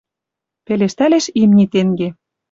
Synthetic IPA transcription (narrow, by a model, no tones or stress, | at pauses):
peleʃt̪æleʃimnʲit̪eŋɡe